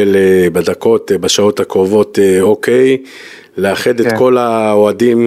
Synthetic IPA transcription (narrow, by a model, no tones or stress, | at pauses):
elebad̪ako̞tbaʃao̞thakʁovo̞t̪okʰej | leaχedet̪ko̞laoadim